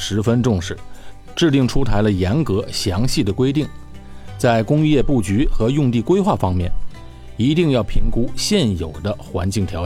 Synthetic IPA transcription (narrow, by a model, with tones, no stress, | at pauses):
ʂɻ̩˧˥fə˥nʈ͡ʂʊ˥˧ŋʂɻ̩˥˩ | ʈ͡ʂɻ̩˥˧t̪i˥˩ŋʈ͡ʂʰu˥t̪ʰa˧˥ɪlə˧jɛ˧˥nkɤ˧˥ɕjɑ˧˥ŋɕi˥˩d̪ə˩kwe˥ɪt̪i˥˩ŋ | t͡sa˥˩ɪkʊ˥ŋy˥˧jɛ˥˧pu˥˩t͡ɕy˧˥xɤ˧˥jʊ˥˧ŋt̪i˥˩kwe˥ɪxwa˥˩fɑ˥ŋmjɛ̰˥˩n | i˧˥t̪i˥˧ŋjɑ˥˩ʊpʰi˧˥ŋku˥ɕjɛ˥˩njo˨˩ʊd̪ə˦xwa̰˧˥nt͡ɕi˥˩ŋt̪ʰjɑ˧˥